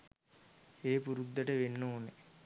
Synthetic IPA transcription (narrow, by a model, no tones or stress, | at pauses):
eːpuɾud̪ːəʈəʋenːoːne